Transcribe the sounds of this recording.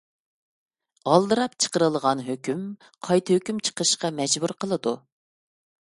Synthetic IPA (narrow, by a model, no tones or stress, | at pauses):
ɑlˠd̪ɨɾɑpt͡ʃʰə̥qəɾəlˠʁɑnɦøkʲym | qʰɑjt̪ʰɨhøkʲymt͡ʃʰə̥qʰəʃqɑmɛd͡ʒbuɾqʰəlˠɨd̪u